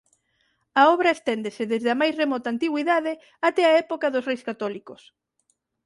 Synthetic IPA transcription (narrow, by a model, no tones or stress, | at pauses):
ɐɔβɾɐest̪ɛnd̪esɪðezðɪɐmajsremɔt̪ant̪iɣwiðaðɪ | at̪ɛɐɛpokɐðʊsrejskat̪ɔlikos